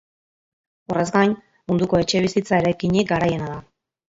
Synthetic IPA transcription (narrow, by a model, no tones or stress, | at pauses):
o̞re̞zɡaɲ | mund̪uko̞e̞t͡ʃe̞β̞isit͡sae̞ɾajkiɲik̚ɡaɾaje̞naða